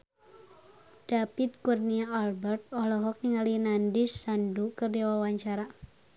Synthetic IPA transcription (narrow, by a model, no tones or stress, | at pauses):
d̥apit̪̚kurniaalbɛrt̪̚ɔhlɔɦɔk̚niŋalinandisːandukɨrdawawaɲt͡ʃaɾa